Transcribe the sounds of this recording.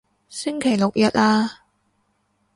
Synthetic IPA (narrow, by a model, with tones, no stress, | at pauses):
sɪ˥ŋkʰe˨˩jlo˨k̚jɐ˨t̚aː˧